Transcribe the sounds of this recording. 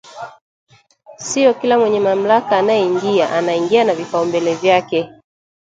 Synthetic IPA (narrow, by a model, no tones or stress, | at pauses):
siɔkilamwɛɲɛmam̩lakaːnajɛiŋɡiaʔanaiŋɡianavifaumbɛlɛvjakɛ